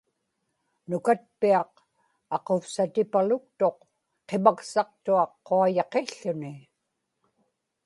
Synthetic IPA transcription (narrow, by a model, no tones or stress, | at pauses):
nʊkat̪̚piɑq | ɑqofsat̪ɪpalʊk̚t̪o̞q | qemaksɑq̚t̪uɑqːoajɑqe̞ɬːʊnɪ